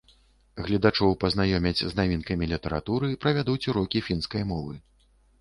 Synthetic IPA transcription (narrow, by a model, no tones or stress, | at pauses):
ɣlʲɛd̪at͡ʂɔwpɐznajɔmʲɛd͡zʲznavʲinkɐmʲilʲit̪ɐɾa̰t̪uɾɨpɾɐvʲad̪ut͡sʲuɾɔkʲifʲinskɐjmɔvɨ